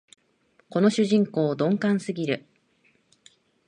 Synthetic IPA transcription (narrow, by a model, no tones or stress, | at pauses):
ko̞no̞ɕɨʑĩŋko̞ːd̪õ̞ŋkãɰ̃sɨɡʲiɾɯ̟